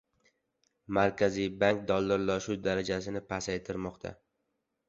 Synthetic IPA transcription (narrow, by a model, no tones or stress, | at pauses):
maɾkʲʰazijbaŋk̚d̪ɒlˠːaɾlɒʃud̪aɾad͡ʒasɪnɪpʰasajt̪ʰɪɾmɒqt̪ʰa̰